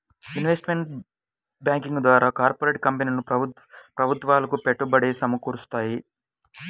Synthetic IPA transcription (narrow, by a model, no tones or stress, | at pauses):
juniʋesʈmeɳʈ | bjaːŋkiŋɡd̪ʋaːɾaːkaːɾpoɾeːʈ̚kɐmpeniːlɐnu | pɾɐbʱut̪ʋaːlɐkupeʈːubɐɽeːsɐmɐkuːɾust̪aːji